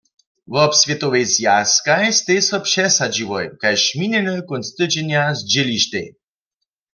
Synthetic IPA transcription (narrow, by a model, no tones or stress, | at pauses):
vɔpsvʲjɛt̪owejzjaskajst̪esɔpʃɛsad͡ʒiwɔjkajʃminɛnəkɔnst̪əd͡ʒɛnjazd͡ʒeliʃt̪ḛ